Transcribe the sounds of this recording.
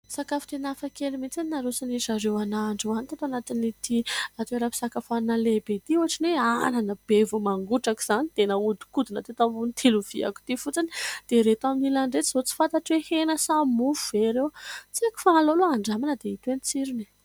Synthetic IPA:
sakafi̥t̪enafakelimit͡saninaɾosinisaɾewanaɳɖ͡ʐuanit̪at̪oanat̪init̪iat̪eɾapi̥sakafannalebet̪iuɦaʈ͡ʂineananəb̥evumaŋɡuʈ͡ʂaki̥z̥anit̪enəud̪i̥kud̪inat̪et̪amunit̪ʰiluv̥ḭa̰ku̥t̪ifut͡sinid̪̥eɾet̪aminilaɳɖ͡ʐet͡sizot͡si̥fat̪aʈ͡ʂwehenəsamufuveɾewt͡seku̥faaloloaɳɖ͡ʐamanəd̪eit̪enit͡siɾini

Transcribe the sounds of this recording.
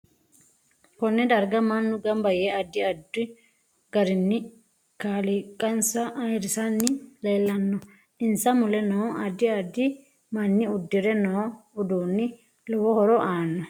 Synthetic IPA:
kɔnːɛd̪ɐɾɡɐmɐnːʊɡɐmbɐjɛɐd̪ːɪɐd̪ːɪ | ɡ̥ɐɾɪnːɪ | kaːlɪkʼɐnsɐʔɐjɾɪsɐnːɪleːlːɐnːɔ | ɪnsɐmʊlɛnoɐd̪ːɪɐd̪ɪ | mɐnːɪʊd̪ːɪɾɛnoːʊd̪uːnːɪ | lɔwɔhɔɾɔʔaːnːɔ

